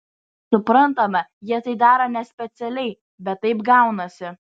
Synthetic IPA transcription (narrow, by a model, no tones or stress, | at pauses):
sʊpɾɐnt̪ɐmɐjiɛt̪ɐɪd̪ɑːɾɐnʲɛsʲpʲɛt̪sʲɛlʲɛɪ | bʲɛt̪ːɐɪpɡɐʊnɐsʲɪ